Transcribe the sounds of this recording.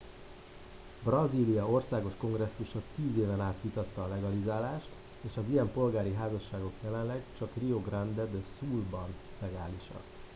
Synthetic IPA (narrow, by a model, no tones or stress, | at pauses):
brɒziːlijɒo̞rsaːɡo̞ʃko̞ŋɡrɛsːuʃɒt̪iːzeːvɛnaːt̪ʋit̪ɒt̪ːɒːlɛɡɒlizaːlaːʃt̪ | eːʃɒzijɛmpo̞lɡaːɾiɦaːzɒʃːaːɡo̞kjɛlɛnlɛɡt͡ʃɒkrio̞ɡrand̪ɛd̪suːlbɒnlɛɡaːliʃɒ̰n